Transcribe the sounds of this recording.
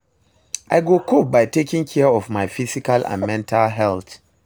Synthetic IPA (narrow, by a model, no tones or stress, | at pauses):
ʔaɪɡokʰop̚baɪtekĩŋkʰɛɔvmaɪfisikalã̰nmɛ̃ntʰalɦɛlθ